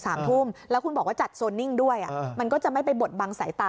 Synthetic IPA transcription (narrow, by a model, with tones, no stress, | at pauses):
saː˩˦mt̪ʰu˥˩mlɛ˦˥wkʰu˧nmbɔː˨˩k̚waː˥˩t͡ɕa˨˩t̪̚so˧nːi˥˩ŋdu˥˩əjʔa̰˨˩ʔma˧nkɔː˥˩t͡ɕa˨˩ma˥˩jpa˧jbo˨˩t̪̚baː˧ŋsa˩˦jt̪aː˨˩